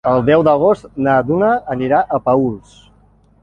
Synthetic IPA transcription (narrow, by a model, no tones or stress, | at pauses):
əlˠd̪ɛwd̪əɣ̞ost̪nad̪unaːniɾaʔəpəulˠs